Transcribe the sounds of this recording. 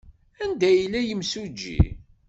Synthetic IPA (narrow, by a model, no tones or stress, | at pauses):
ænd̪æjəlːæjəmsud͡ʒːḭ